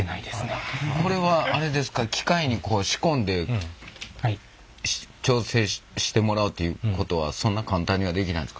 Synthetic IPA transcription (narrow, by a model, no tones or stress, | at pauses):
naid̪esɨneko̞ɾe̞βaːɾe̞d̪e̞sɨ̥kakʲʰi̥kaiɲ̟ikʰo̞ːɕi̥kõ̞nd̪e̞ | t͡ɕʲo̞ːse̞ːɕi̥t̪e̞mo̞ɾaɯ̟t̪ːe̞jɯ̟ːko̞t̪o̞βa̰sõ̞nːakãnt̪ãɲ̟ːiβad̪e̞kʲina̰ĩnd̪eska